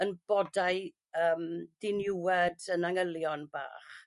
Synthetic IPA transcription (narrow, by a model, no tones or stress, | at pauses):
ənb̥ɔdaɨ | əːmd̥ɪnɪwɛdənaŋəlˠjɔnb̥a̰ːχ